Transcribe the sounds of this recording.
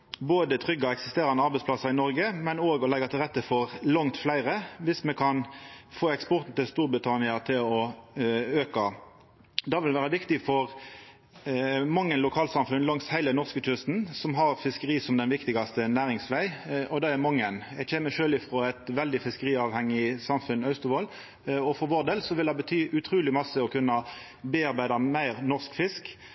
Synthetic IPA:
boːd̪ət̪ʰʁʏɡːɑɛksɪst̪eːɾɑnd̪əɑɾbɛɪsplɑsɑɾɪnɔɾɡəmɛnoːɡɔlɛɡɑt̪ʰɪlʁɛt̪ːəfɔʁlɑŋt̪flæɪʁəʋɪsmɛkʰɑnfoːɛkspɔʁt̪n̩t̪ɪlst̪uːɾbɪt̪ʰɑnɪɑt̪ʰɪlɔ | øːkɑ | d̪ɑːʋɪlʋæːʁəʋɪkt̪ɪfɔʁ | mɑŋːənlʊkʰɑːlsɑmfʉnlɑŋshæɪlənɔʁskət̪ʰʏst̪n̩sɔmɦɑɾfɪskəʁiːsɔmd̪ɛnʋɪkt̪ɪɡɑst̪ənæːɾɪŋsʋæɪʔɔd̪ɑːæmɑŋːənjæɡc͡çeːməʃøːlɪfɾoːæɪt̪ʋɛld̪ɪfɪskəʁiːɑːʋhɛŋːɪsɑmfʉnœʉst̪ʊʋoːl | ɔfɔʁʋoːʁd̪eːlsɔʋɪld̪ɑbət̪ʰyːʔʉt̪ʰɾuːlɪmɑsəɔkʰʉnːɑ | beːɑɾbæɪd̪ɑmæɪʁnɔʁskfɪsk

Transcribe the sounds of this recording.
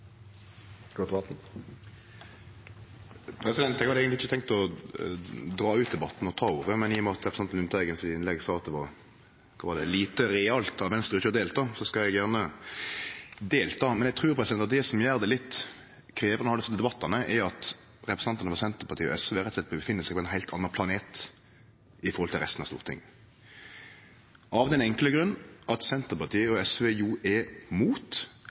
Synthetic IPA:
od̪bɑt̪n̩ | pʰɾɛsɪd̪ɛnt̪ːɛɡhɑd̪eːɡənɪçːət̪ɛŋk̚t̪ɔ | d̪ʁɑːʉːt̪̚d̪ɛbɑt̪ːn̩ɔt̪ʰɑːuːɾəmɛnɪːɔmɛɑt̪ɾɛpɾsɑnnʉnt̪ʰɑɛɡənsɔd̪ɪɪnlɛɡsɑːt̪d̪ɛʋɑ | kʰɑʋɑːʁd̪ɛliːt̪əɾɛɑlt̪ɑʋɛnst̪ɾʁəɪçəɑd̪eːlt̪ʰɑːsɔskɑɛɡjæʁnə | d̪eːlt̪ʰɑːmɛnjɛɡt̪ʰʁʉːʁpʰɾʁɛsɪd̪ɛnɑt̪d̪ɛsɔmjæːʁd̪ɛlɪt̪ː | kʰɾeːʋəʁnhɑlst̪d̪ɛbɑt̪ʰːɑnəʔɛɑt̪ | ɾɛpɾəsn̩ɑnt̪ɑnəfɔʁsɛnt̪əɾpʰɑʁt̪iːəɔ̰ɛsʋeːɾɛt̪slɛt̪bəbəfɪnːəsæɪɡpʰɔɛnɦæɪlt̪ʰɑnːɑpʰlɑneːt̪ | ɪfɔɾhɔlt̪ɪlʁɛst̪n̩ɑ̰st̪ṵːʁət̪ʰɪ̰ŋː | ɑʋd̪ɛnɛŋkləɡɾʉnːʔɑt̪sɛnt̪əʁpɑt̪ʰiːəɔɛsʋeːjuɛmuːt̪

